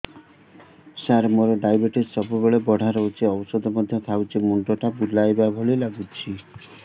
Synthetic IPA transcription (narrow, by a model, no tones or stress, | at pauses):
saɾmoɾɔɖajbeʈesɔbubeɭebɔɽ̤aɾɔɦut͡ʃʰeɔbɔsɔd̪ʱɔmɔd̪ʱjɔk̪ʰawt͡ʃʰimuɳʈɔʈabulajbabʱolilaɡut͡ʃʰi